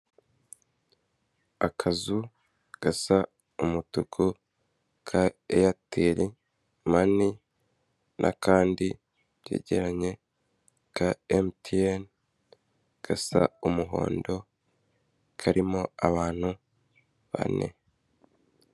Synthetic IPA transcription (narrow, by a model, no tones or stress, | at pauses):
akʰazu | ɡ̥asa | umutukʰu | kʰaejatiɾi | mani | nʔa̰kaːndi | βjḛːɟe̞ɾaɲe̞ | kaemtʰien | ɡ̥asa̰umuɦo̞̰ːndo̞ | kʰaɾimo̞aβaːn̥hu | βa̰ne̞̰